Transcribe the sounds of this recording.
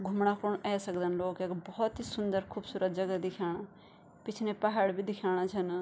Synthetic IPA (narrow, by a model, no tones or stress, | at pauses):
ɡʱʊmɽ̃aːkʊɳɛːsəkd̪ənloːkeːkbɔːɔt̪ɦiːsʊnd̪əɾkʰuːbsuːɾət̪̚d͡ʒəɡad̪ɪkʰaːɽ̃a | pɪt͡ʃʰnẽːpaɦaːɽbʱiːd̪ɪkʰaːɽ̃at͡ʃʰən